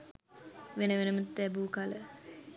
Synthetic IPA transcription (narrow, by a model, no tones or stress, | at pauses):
ʋenəʋenəmət̪ːæbuːkalə